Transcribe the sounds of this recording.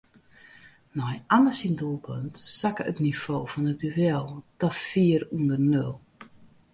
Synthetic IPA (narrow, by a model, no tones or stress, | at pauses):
nɔjʔanəsindulˠpʰø̰ntsakəətnifoːfɔnətyʋɛlˠd̥ɔfiːərundərnølˠ